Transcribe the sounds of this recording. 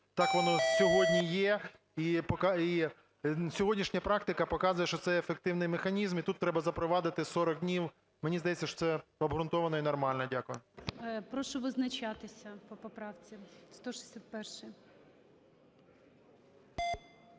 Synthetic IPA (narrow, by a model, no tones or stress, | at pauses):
t̪ɑkʋɔnɔsʲɔɦɔdʲnʲijɛ | ipɔkɑi | sʲɔɦɔdʲnʲiʃnʲɐpɾɑkt̪ɪkɐpɔkɑzʊjɛʃt͡ʃɔt̪sɛefek̚t̪ɪwnɪjmexɐnʲizmit̪ut̪ːɾɛbɐzɐpɾɔʋɑd̪ɪt̪ɪsɔɾɔɡ̚d̪ʲnʲiw | menʲizd̪ɐjɛtʲt͡sʲːɐʃɔ̥tsɛɐbɦɾʊnt̪ɔʋɐnɔinɐrmɑlʲnɛdʲakʊjʊpɾɔʃɔʋɪznɐt͡ʃat̪ɪsʲɐpɔpɔpɾɑwt͡sʲist̪ɔʃsʲat̪̚pɛrʃɪ